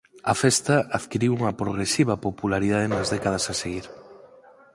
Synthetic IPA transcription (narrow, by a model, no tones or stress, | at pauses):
ɐfɛst̪ɐaðkiɾiwuŋɐpɾoɣɾesiβɐpopulaɾiðað̞enɐzðɛkað̞ɐsaseɣiɾ